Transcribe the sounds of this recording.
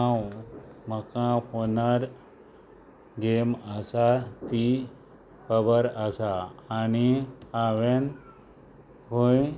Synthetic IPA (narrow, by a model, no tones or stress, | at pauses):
ãwməkãhonaɾ | ɡeməsat̪i | pəbəɾəsaːniaʋen | hoj